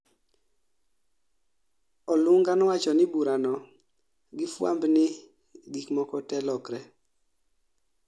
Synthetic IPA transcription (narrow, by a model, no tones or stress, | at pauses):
ɔlʊŋɡanɔwat͡ʃɔnɪbuɾanɔ | ɡɪfwa̰mbnɪ | ɡikmɔkɔtɛlɔkɾɛ